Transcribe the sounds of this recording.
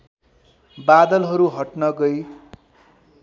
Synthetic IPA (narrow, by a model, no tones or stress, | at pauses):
bad̪ʌlɦʌɾuɦʌʈnʌɡʌj